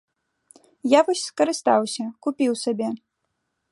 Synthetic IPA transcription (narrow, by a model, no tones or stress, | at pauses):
javɔsʲskɐɾɨst̪awsʲɐkupʲiwsabʲɛ